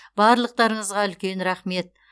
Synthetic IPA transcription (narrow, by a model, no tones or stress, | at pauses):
bɑɾlˠəq̚t̪ɑɾəɴəzʁɑʏlkʲe̞nɾɑχme̞t̪̚